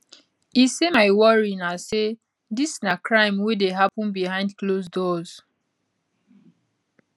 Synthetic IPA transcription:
isemaɪwɔɹinase | disnakɹãɪ̃mwedeɦapɔ̃nbihãɪ̃ndklosdɔz

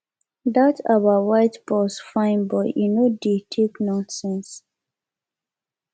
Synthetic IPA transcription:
datʰawawaɪtbɔsfãɪ̃nbɔinoditʰeknɔ̃sɛ̃ns

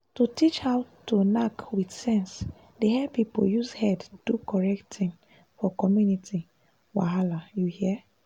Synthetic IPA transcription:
tutit͡ʃhawtunakwidsɛ̃ns | deɦɛpipo̰jushɛdd̥ukɔɹɛkttĩn | fɔkɔmjuniti | wa̰ɦalajuhiɛ

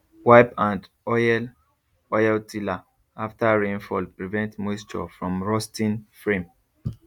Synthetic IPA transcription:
waɪpãnd | ɔjɛl | ɔjɛltʰila | aftəɹẽnfɔlpɹivɛ̃ntmɔstɔ̰fɹɔ̃mɹɔstĩnfɹẽm

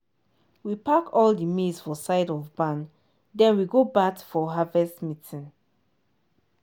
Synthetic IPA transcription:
wipakɔldimisfɔsaɪdɔvbãn | dɛ̃nwiɡobakfɔɦavɛstmitʰĩn

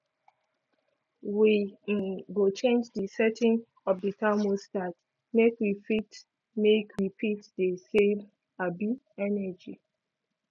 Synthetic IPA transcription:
wiɡot͡ʃẽnd͡ʒdisɛtɪ̃ŋ | ɔfdətamostat | mekwifit | mekʰɹipʰitdesem | abi | ɛnɛd͡ʒi

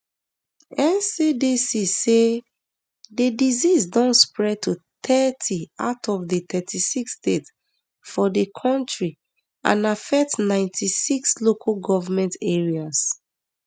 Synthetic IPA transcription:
ɛ̃nsidisise | dedizizdɔ̃ntspɹɛd̚tʰut̪ɛtʰia̰ʊtʰɔvdət̪ɛtʰisikstet | fɔdekʰɔ̃ntɹi | ã̰nafɛk̚tnãɪ̃ntʰisikslokʰalɡɔvamɛ̃ntɛɹias

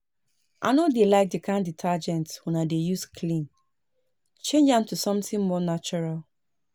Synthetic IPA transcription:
ʔa̰nodelaɪk̚dikʰãnditʰad͡ʒɛ̃ntwɛ̃nadejuskʰlĩn | t͡ʃẽnd͡ʒãntusɔ̃mtĩŋmɔnat͡ʃɔɹal

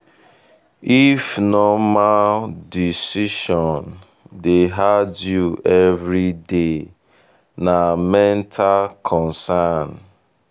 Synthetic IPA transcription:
ifnɔmaldisiʃɔ̃n | deɦadjuɛvɾide | namɛ̃ntʰalkʰɔ̃nsan

